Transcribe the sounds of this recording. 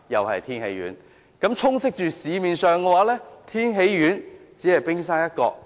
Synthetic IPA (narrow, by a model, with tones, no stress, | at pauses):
jɐ˨whɐ̰˨jt̪ʰiː˥nhḛ˨˥jɥy̰ː˨˥n | kɐ˨˥mt͡sʰʊ˥ŋt͡sɪ˥k̚t͡ʃyː˨siː˨miː˨nsœː˨ŋkɛ˧waː˨˥lɛː˥t̪ʰiː˥nɦe˨˧˥jjyː˨˥nt͡siː˨˥hɐ˨jpɪ˥ŋsaː˥jɐ˥t̚kɔ̰ː˧k̚